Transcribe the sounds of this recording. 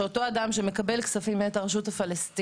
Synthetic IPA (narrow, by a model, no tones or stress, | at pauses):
oto̞adamʃe̞me̞kabe̞lksafimeetaʁaʃutafalest